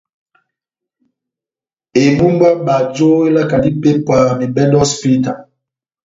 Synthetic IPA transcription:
e˨bu˦m˦ba˦ɓa˨d͡ʒo˦e˦la˦ka˨di˦pe˦pwa˨mi˨bɛ˦ndɔ˦spi˦ta˨

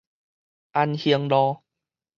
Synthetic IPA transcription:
ʔa˧nhi˧ə˧ŋlɔː˧

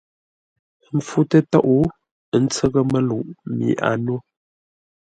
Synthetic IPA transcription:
m̩˨fu˦tə˦tɔ˦ʔu˦˨ | n̩˦t͡sə˦ɣə˦mə˦lu˨ʔmḭ˨˦ʔa̰˨nwo˦

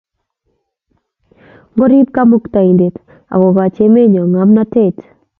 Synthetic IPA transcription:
ŋɡɔ˦ɾi˦p̚ka˦mu˦kta˨i˨nde˨t | a̰˨ɡɔ˨ɡa˨t͡ʃe˦me˦ɲɔ˨ŋa˨˦mna˦te˦˨t

